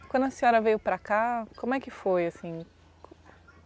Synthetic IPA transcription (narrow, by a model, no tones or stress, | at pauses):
kwɐ̃nd̪ʊɐsĩɔɾɐvejʊpɾakakõmʊɛkɪfojasĩ